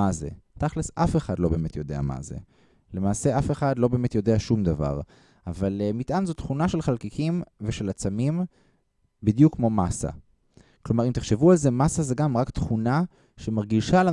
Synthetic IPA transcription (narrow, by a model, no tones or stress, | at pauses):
azḛtaχlesʔafeχadlo̞be̞ːmet̪jo̞de̞a̰ma̰zḛ | le̞maːse̞ʔafe̞χadlo̞be̞ːmet̪jo̞deaʃumd̪ava̰ʁ | avalemitʔanzot̪χunaʃe̞lχalkikʰimveʃe̞lat͡samim | bidjukːmo̞masa̰ | klo̞maʁimt̪eχʃe̞vualze̞masazeɡamʁakt̪χuna | ʃe̞maʁɡiʃala